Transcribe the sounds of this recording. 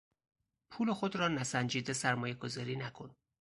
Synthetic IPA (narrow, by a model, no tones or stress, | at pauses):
pʰuːlexod̪ɾɒːnæsænd͡ʒiːd̪esæɾmɒːje̞ɡozɒːɾiːnækʰo̞n